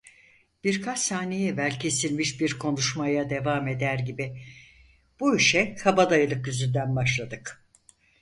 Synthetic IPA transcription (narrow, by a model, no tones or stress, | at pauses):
b̥iɾkʰat͡ʃsaːnejɛvælʲcʰe̞silʲmiʃbiɾkʰo̞nuʃmajad̪e̞vaːme̞d̪æɾɟibi | b̥uiʃɛkʰabad̪ajɯlˠɯkjyzynd̪ænbaʃlˠad̪ɯk